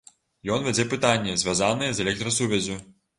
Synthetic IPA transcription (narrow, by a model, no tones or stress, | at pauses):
jɔnvʲɛd͡zʲɛpɨt̪anʲːɛzʲvʲazanɨjɛzɛlʲɛk̚t̪ɾɐsuvʲɛzʲu